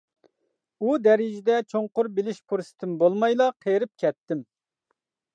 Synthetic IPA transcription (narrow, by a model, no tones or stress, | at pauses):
ud̪ɛɾɪd͡ʒɪd̪ɛt͡ʃʰoŋqʊɾbɪlɪʃpʰoɾsɪ̥t̪ʰɪnbolˠmɑjlˠɑqʰejɾɪp̚kʲʰɛt̪ːɪm